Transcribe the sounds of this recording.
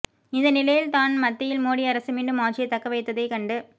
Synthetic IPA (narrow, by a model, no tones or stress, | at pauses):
ɪnðd̪ɐnɪlɐjɪlt̪aːnmɐt̪ːɪjɪlmoːɽiɐɾɐsɯmiːɳɖɯmaːt͡ʃːɪjɐɪt̪ːɐkːɐʋɐɪt̪ːɐðɐɪkɐɳɖɯ